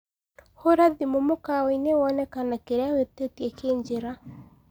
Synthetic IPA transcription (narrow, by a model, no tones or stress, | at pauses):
hoɾaðimomokawɔinewɔnɛkanakeɾeawetetjɛkeɲd͡ʒeɾa